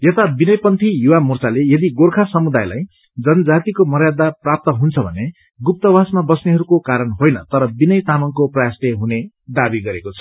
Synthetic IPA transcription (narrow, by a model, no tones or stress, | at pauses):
jʌt̪abinʌjpʌnt̪ʰijuwamurt͡salejʌd̪iɡorkʰasʌmud̪ajla̰j | d͡zʌnʌd͡zat̪ikomʌrjad̪aprap̚t̪ʌɦunt͡sʰʌbʱʌne | ɡup̚t̪ʌbasmabʌsneɦʌɾukokaɾʌnɦojnʌ̰t̪ʌɾʌbinʌjt̪amʌŋkoprʌjasleɦune | d̪abiɡʌɾekot͡sʰʌ̥